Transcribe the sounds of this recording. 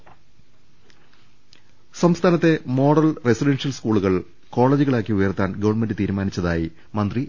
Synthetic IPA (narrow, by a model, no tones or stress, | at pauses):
sɐmst̪ʰaːnɐt̪ːe̞mo̞ːɽɐlresiɖenʂjɐlskuːɭuɣɐɭ | ko̞ːɭeːd͡ʑuɣɐɭaːkːiujɐrt̪ːaːnɡɐʋɐrɳme̞ndɨt̪iːɾumaːnit͡ɕːɐðaːjḭ | mɐnd̪ri